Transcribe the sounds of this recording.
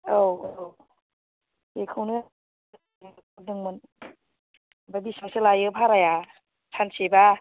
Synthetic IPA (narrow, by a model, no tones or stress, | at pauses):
ow | ekʰɯwnɯ | dɯŋmɯn | babismaselajɯpʰaɾaja | sʰanseba